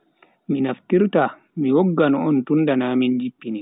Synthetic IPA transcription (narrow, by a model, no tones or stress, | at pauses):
minaftiɾta | miwɔɡːanɔɔntundanaːmind͡ʒipːini